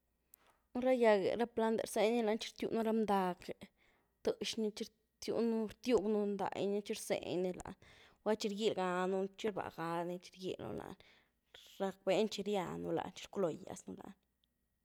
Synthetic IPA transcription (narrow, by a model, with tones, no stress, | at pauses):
nu˦ɾa˦ja˧ɡḛ˨ɾa˦pla˦nd̪ḛ˨ɾse˦jni˦la˧˦nt͡ʃi̥˦ɾt̪jṵ˧ʔnu˦ɾa˦md̪a˧k | t̪ɨ˧ʃni˦t͡ʃi˦ɾ | t̪jṵ˧nu˦ɾt̪ju˦ɡnu˧nd̪a̰˨jni˦t͡ʃi˦ɾsḛ˧˨ɲni˧la̰˧˨nwa˦t͡ʃi˧ɾɡi˦lɡa˧nu˧t͡ʃi˦ɾba̰˨ɡa˧ni˧t͡ʃi̥˧ɾɡḭ˧lno̰˧la̰˧n | ɾa˧k̚be˦nt͡ʃi˧ɾja˧nu˧la̰˧nt͡ʃi̥˦ɾklo˨ja̰˧snu˧la̰˧n